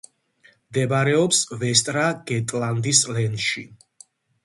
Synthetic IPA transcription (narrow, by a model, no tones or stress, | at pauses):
md̪ɛbaɾɛɔpsvɛst̪ʼɾaɡ̥ɛt̪ʼland̪islɛnʃi